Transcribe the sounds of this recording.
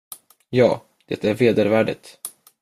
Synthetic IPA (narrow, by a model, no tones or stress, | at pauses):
jɑː | d̪̥ɛt̪æɾveːd̪əɾvæːɖə̰t̪